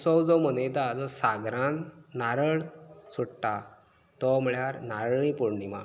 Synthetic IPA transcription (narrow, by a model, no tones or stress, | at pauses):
sɔwd͡zɔm̤əned̪ad͡zɔsaɡɾãnnaɾəɭsuɽʈa | t̪ɔm̤əɭjaɾnaɾɭipuɽɳima̰